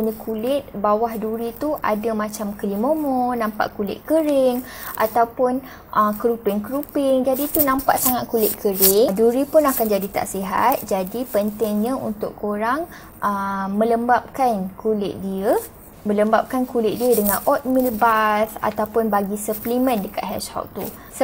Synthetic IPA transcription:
əɲãkʰulɪt̪̚bawahduɾit̪uʔa̰damãt͡ʃamkəlimomɔnãmpa̰ʔkulɪ̰t̪̚kəɾɪŋ | ʔa̰t̪awpʊn | ʔəkəɾupɪŋkəɾupɪŋd͡ʒadit̪unãmpa̰ʔsaŋat̪̚kulɪt̪̚kʰəɾɪŋduɾipʊnakand͡ʒadit̪a̰ʔsiɦa̰t̪̚d͡ʒadipənt̪ɪŋɲãṵnt̪ʊʔkoɾaŋ | ʔəmə̃ləmbap̚kankʰulɪ̰ʔ̚diə | mə̃ləmbap̚kankulɪʔ̚diədəŋãnʔɔt̪̚milbasa̰t̪awpʊnbaɡisəplimə̃ndəka̰ʔ̪ɦɛ̰t͡ʃhɔ̰lt̪ṵ | s

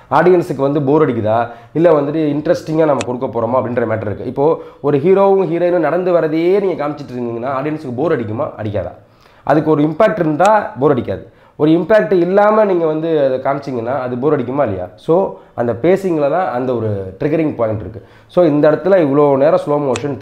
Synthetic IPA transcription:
aːɾɖɪjɐnsɯkːɯʋɐnd̪ɯboːɾɐɽɪk̬ːɯðaː | ɪlːɛʋɐnd̪ɯʈːɯɪɳɖɾɐsʈɪŋɡaːnɐmːɐkɔɽɯkːɐpːoːɾɐmoːɐpːɐɽɪnɾɐɐmeːʈːɐɾɪɾɯkːɯ̰̃ɪpːoːɔɾɯɦiːɾoːʋɯ̃ɦiːɾoːɪnɯ̃nɐɽɐnd̪ɯʋɐɾɐðeːniːŋɡɐkaːmɪt͡ʃːɪʈːɾnɡ̪iːŋɡɐnːaːɾɖɪjɐnsɯkːɯboːɾɐɽɪk̬ʲːɯma̰ːʔɐ̰ɽɪkʲːa̰ːða̰ː | ʔɐ̰ðɯkːɯɔɾɯɪmpaːk̚ʈɪɾɯnd̪d̪ãːboːɾɐɽɪkʲːa̰ːðɯ | ɔɾɯɪmpaːk̚ʈɯɪlːaːmɐniːŋɡɐʋɐnd̪ɯɐðɐkaːmɪt͡ʃːiŋɡɐnːaːɐðɯboːɾɐɽɪk̬ʲːɯmaːɪlːɐ̰ja̰ːsoːʔɐnd̪ɐpeːsɪŋɡɐlɐt̪ãːɐnd̪ɐɔɾɯʈɾɪɡɐɾɪŋɡpoːɪʈɪɾɯkːɯ | soːɪnd̪ɐɪɽɐt̪ːɯlɐɪʋɐɭoːneːɾɐsloːmoːʂɐn

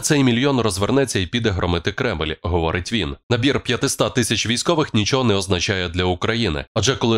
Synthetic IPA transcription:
t̪sɛjmʲilʲjɔnrɔzʋernɛt͡sʲːɐipʲid̪ɛɦɾɔmɪt̪ɪkɾɛmlʲɦɔʋɔɾɪtʲʋʲinnɐbʲirpʲjɐt̪ɪst̪at̪ɪsʲɐt͡ʃʋʲijsʲkɔʋɪxnʲit͡ʃɔɦɔnɛɔznɐt͡ʃajɛd̪lʲɐʊkɾɐjinɪ̰ɐd͡ʒɛkɔlˠɪ

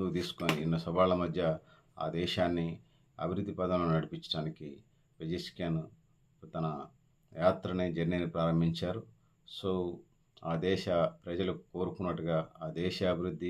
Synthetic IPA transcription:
d̪ut̪̬iːsu̥koːniːnːɐsɐʋaːɭlɐmɐd̪ʱjɐ | a̰ːd̪ɛːʃaːnːi | ɐ̰bʱiɾud̪ʱːipɐd̪ɐmlɐnunɐɽipiɲt͡ʃːɐ̥ʈaːniki | ped͡ʒɐskaːnu | t̪ɐnɐ | jaːt̪ɾɐneːd͡ʒɐɾninipɾaːɾɐmbʱiɲt͡ʃaːɾu | soː | aːd̪ɛːʃɐpɾɐd͡ʒɐlukuko̞ːɾukunːɐʈːuɡaːaːd̪ɛːʃɐɐbʱiɾud̪ːi

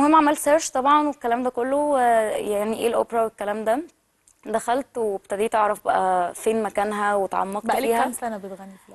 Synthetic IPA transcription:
ohemːʕamælseɾʃt̪ˤɑbʕɑnwekːælæːmd̪ækolːowjaʕniʔeːlʔo̰pɾæwekːælæːmd̪æ | d̪æxælt̪web̚t̪æd̪iːt̪eʕɾˤɑfbæʔæfeːnmækæːnɦæwet̪ʕɑ̰mːɑq̪fiiːhæmsænæbet̪ɣænːifl

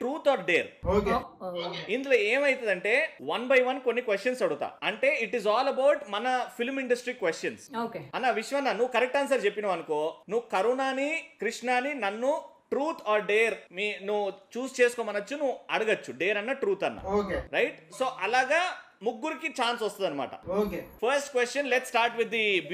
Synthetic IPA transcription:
ʈɾuːt̪ʰaːɾɖeːɾok | ind̪uloːeːmɐjit̪ɐd̪ɐɳʈe̞ːʋɐnbɐjʋɐnko̞nːikʋesʈɐnsɐɽuɡut̪a̰ːɐɳʈe̞ːiʈizɔːlɐbɐwʈmɐnɐpʰilmiɳɖɐsʈɾiːkʋesʈjɐnsokeɐnːaːʋiʂjɐmɐnːaːnuʋːukɐɾɛk̚ʈaːns̬ɐɾt͡ʃe̞pːinɐʋɐnɐkoːnuʋukɐɾunaːnikɾiʂɳaːninɐnːuʈɾuːt̪ʰaːɾɖeːɾmiːnuʋut͡ʃuːst͡ʃeːsu̥koːmɐnːɐt͡ʃːunuʋuɐɽuɡɐt͡ʃːuɖeːɾɐnːɐʈɾuːt̪ɐnːa̰oːkeɾɐjʈsoːʔɐlaːɡaː | muɡːuɾikit͡ʃaːnsɔst̪und̪ɐnːɐma̰ːʈɐ̰oːkepʰɐɾsʈkʋesʈɐnleʈsːʈaːɾʈʋid̪ːi

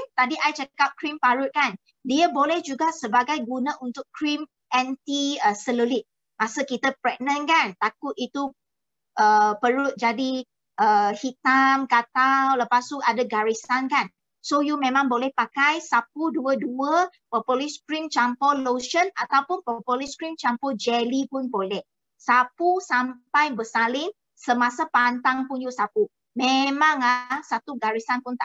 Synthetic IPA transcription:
t̪adiʔajt͡ʃəkap̚kɾimpaɹʊt̪̚kan | diəbolɛhd͡ʒuɡaʔsəbaɡajɡunaunt̪ʊkɾim | ʔɛ̃nt̪iəsəlolit̪̚ | masəkit̪əpɹɛk̚nə̃nkant̪akʊt̪̚it̪u | ʔəpəɹʊt̪̚d͡ʒadi | ʔəhit̪amkat̪awləpast̪uadəɡaɹisankan | sojumẽmãŋbolɛhpakajsap̚uduəduə | pɔpɔliskɾint͡ʃampɔloʃənat̪awpʊnpɔpɔliskɾint͡ʃampɔd͡ʒɛlipʊnbolɛh | sapusampajbəsalɪŋ | səmasapant̪aŋpunjusapu | memãŋahsat̪uɡaɾisanpʊnt̪a

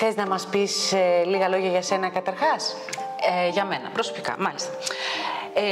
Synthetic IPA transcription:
θeznɐmɐspiseliɣɐlo̞ʝɐʝɐse̞nɐkɐt̪ɐɾxɐs | eʝɐme̞nɐ̰pɾo̞so̞pikɐ̰mɐlist̪ɐ

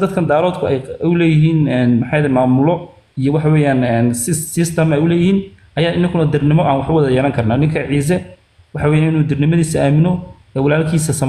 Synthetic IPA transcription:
d̪ɐd̪kʰɐnd̪aːɾɔːd̪kʰʊɛjʊlɛːjɪɦiːnɛːnmɑħɑjɛðɛmaːmʊlɔ | ijɔwɑħɑwɛːjaːnɛːnsɪːɪst̪ʰɐmɛjʊlɛːjɪhiːnʔɐjaːɪnːɐŋkʰʊnɐd̪ɪrnɪmɔʔaːnwɑħʊwɑðɐjɛːlɐŋkʰɐrnaːnɪŋkʰɐʕiːs̬ɛ | wɑħɑwɛːjaːnɪnuːd̪ɪrnɪmɐðiːsɐʔaːmɪnɔ | ɛːwɑlaːlkʰiːsɐsɐm

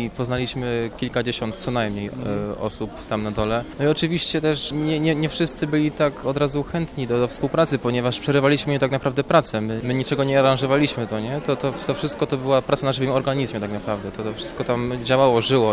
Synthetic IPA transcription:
ipɔznalʲiɕmɘkʲilkad͡ʑeɕɔnt̪t̪sɔnajmɲejɔ̰supt̪amnad̪ɔlɛnɔiɔt͡ʂɘvʲiɕt͡ɕɛt̪ɛʂɲɛɲɛɲɛfʂɘst̪sɘbɘlʲit̪akɔd̪ɾazuxɛnt̪ɲid̪ɔd̪fspuwpɾat̪sɘpɔɲɛvaʂpʂɛɾɘvalʲiɕmɘjɛt̪aknapɾavd̪ɛpɾat̪sɛmɘmɘɲit͡ʂɛɡɔɲɛaɾãnʐɔvalʲiɕmɘt̪ɔɲɛt̪ɔt̪ɔt̪ɔfʂɘst̪̚kɔt̪ɔbɘwapɾat̪sanaʐvɘmɔɾɡaɲizmjɛt̪aknapɾavd̪ɛt̪ɔt̪ɔfʂɘ̥st̪kɔt̪amd͡ʑawawɔʐɘwɔ

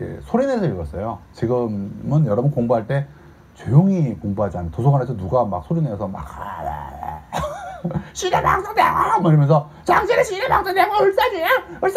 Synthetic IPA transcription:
ḛsʰoɾinesʰʌiɭɡʌs͈ʌjot͡ɕiɡɯmmɯnjʌɾʌbunkoŋboɦaɭt͈e̞ | t͡ɕwejoŋikoŋboɦad͡ʑianːtosʰoɡanesʰʌnuɡama̰k̚sʰoɾinesʰʌma̰k | ɕʰiɾema̰ŋs͈ʰʌŋdeaamiɾʌmjʌnsʰʌ | t͡ɕaŋsʰeɾeɕʰiɾema̰ŋs͈ʰʌŋdeamɯɭs͈ad͡ʑeaɯɭs

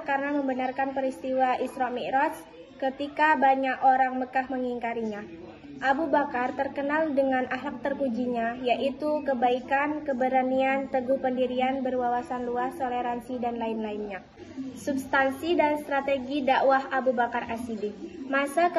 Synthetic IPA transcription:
kaɾənaməmbənarkanpəɾist̪iwaisɾɔmiʔɾɔs | kət̪ikabaɲakoɾaŋməkahməŋiŋkaɾiɲa | ʔabubakart̪ərkənaldəŋanʔaɦlak̚t̪ərkud͡ʒiɲajaʔit̪ukəbaikankəbəɾaniant̪əɡuhpəndiɾianbərwawasanluast̪oleɾansidanlainlainɲa | subst̪ansidanst̪ɾat̪eɡidaʔwaɦabubakarasidimasak

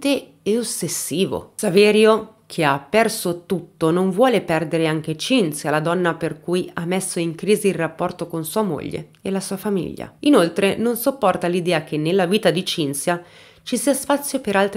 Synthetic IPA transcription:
t̪e | ɛosːesːiːvo̰savɛːɾjo | kʰeapːɛrsot̪ut̪ːonoɱvwɔːlepɛrd̪eɾeaŋk̟et͡ʃinsjalad̪ɔnːaperkujamːesːoiŋkɾiːziːlrapːɔrt̪okonsuːamo̰ʎːḛ | elasuːafamḭʎːa̰inolt̪ɾenonsopːɔrt̪alid̪ɛːak̟enːelːaviːt̪ad̪it͡ʃinsja | t͡ʃisiaspat̪sːjopeɾalt̪ɾ

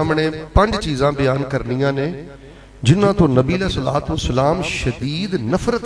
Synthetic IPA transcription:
amɽ̃ẽːpɐ̃ɲd͡ʒt͡ʃiːzãːbɪjaːnkɐɾnijãːne | d͡ʒɪnãːt̪õnɐbiːəleːsɐla̰ːt̪ʋəsəlaːmʃɐd̪iːd̪nəfɾət̪

